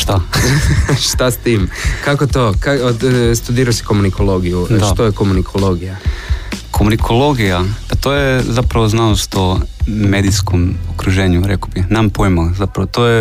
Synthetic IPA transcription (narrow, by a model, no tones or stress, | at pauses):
ʃt̪a | ʃt̪ast̪iːmkakot̪okast̪ud̪iːɾaosi̥komunikʰolˠo̞ɡijuʃat̪ojekomunikʰo̞lˠo̞ɡija | komunikʰolˠo̞ɡijapat̪ojezapɾaʋoznalost̪omed̪iskomokɾuʒeːɲuɾekobixnampojmozapɾaʋot̪oje